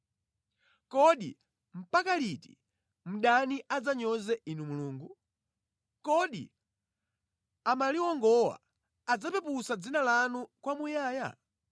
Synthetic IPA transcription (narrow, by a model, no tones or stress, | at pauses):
kɔɗḭ | m̩pakaliti̥̰ | m̩ɗaniʔad͡zaɲɔzɛʔinumuluːŋɡu | kɔɗḭ | amaliwɔŋɡɔwa̰ː | d͡zapɛpusad͡zinalanukwamujaːja̰